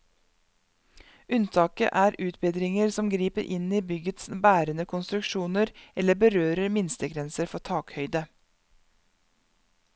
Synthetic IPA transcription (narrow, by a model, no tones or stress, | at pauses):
ʉnt̪ʰɑːkə̰ʔæːɾʉːt̪̚beːd̪ɾɪŋəɾsɔmɡɾiːpəɾʔɪniːbʏɡət̪sbæːɾənəkʰʊnst̪ɾʉkʃuːnəɾɛləbəɾøːɾəɾmɪnst̪əɡɾɛnsəɾfɔtʰɑːkhœʏd̪ə